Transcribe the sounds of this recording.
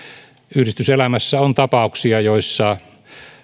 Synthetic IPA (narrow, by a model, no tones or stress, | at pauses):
yhrist̪yselæmæsːæont̪ɑpɑˑuksiɑjoˑisːɑ